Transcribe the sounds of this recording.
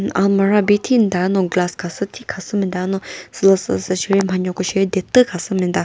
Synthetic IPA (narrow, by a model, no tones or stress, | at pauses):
ʔa̰lmaɾabit̪ʰind̪anoɡlaskʰasət̪ʰikʰasəmind̪anosələsəsəɕʰiɾem̥aɲokoɕejd̪et̪əkʰasəmind̪a